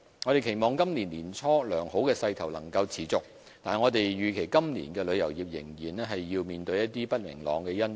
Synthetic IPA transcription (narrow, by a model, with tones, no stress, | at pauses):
ŋɔː˨˧ɾe˨˩jkʰe˨˩jmɔː˨ŋkɐ˥mniː˨˩nliː˨˩nt͡sʰɔː˥lœː˨˩ŋho˨˥wkɛː˧sɐ˧jt̪ʰɐ˨˩wlɐ̰˨˩ŋkɐ˧wt͡sʰiː˨˩t͡sʊ˨k̚ | t̪aː˨nŋɔː˨˧t̪e˨jjyː˨kʰe˨˩jkɐ˥mnḭː˨˩nkɛː˧lɵ˨˧ɥjɐ˨˩wjiː˨p̚jɪ̰˨˩ŋjiː˨˩nɛː˥ɦɐ˨jːiː˧wmiː˨nt̪ɵ˧ɥjɐ˥t̚t̪iː˥pɐ˥t̚mɪ̰˨˩ŋlɔ̰ː˨˧ŋkɛː˧jɐ˥n